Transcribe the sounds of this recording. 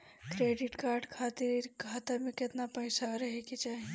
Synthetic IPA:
kɾeːɖɪʈkaːɾɖkʰaːt̪iɾkʰaːt̪aɾmekɪt̪napəɪsaɾɐɦekit͡ʃaːɦe

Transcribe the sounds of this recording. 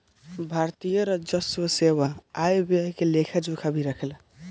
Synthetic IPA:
bʱaɾt̪ijəɾʌd͡ʒəswəseβaːjbekelekʰad͡ʒokʰabʱiɾəkʰel

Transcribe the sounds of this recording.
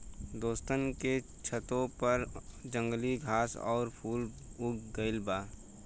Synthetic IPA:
d̪oːst̪ənke | t͡ʃʰət̪õpɐɾd͡ʒə̃ŋɡliɡʱaːsɔ̰ːɾpʰuːl | ʊɡɡəɪlbaː

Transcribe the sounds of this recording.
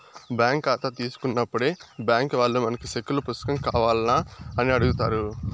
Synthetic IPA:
bjaːŋkːaːt̪ɐt̪iːsu̥kunːɐpːuɽeːbjaːŋkʋaːɭːumɐnɐkiʃekːulupɾust̪ɐ̥kɐmkaːʋaːlnaːɐniɐɽuɡut̪aːɾu

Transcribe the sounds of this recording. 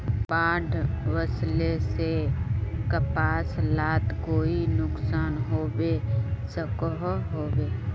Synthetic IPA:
baːɖʰʱʋəslese | kəpaːslaːt̪koːinʊksaːnɦoːbesəkɔɦɦoːbeː

